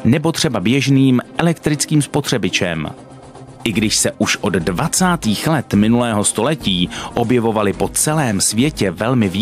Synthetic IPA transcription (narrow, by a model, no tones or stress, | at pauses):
nɛbo̞t̪r̝̥ɛbabjɛʒniːmʔɛlɛkt̪ɾɪt͡skiːmspo̞t̪r̥ɛbɪt͡ʃɛ̰m | ʔɪɡdɪʃsɛʔuʃʔo̞ddvat͡saːt̪iːxlɛt̪mɪnulɛːɦo̞st̪o̞lɛciːʔo̞bjɛvo̞valɪpo̞t͡sɛlɛːmsvjɛcɛvɛlmɪvi